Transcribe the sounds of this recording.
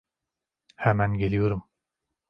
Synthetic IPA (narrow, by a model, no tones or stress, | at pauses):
hɛmænɟe̞lʲijoɾum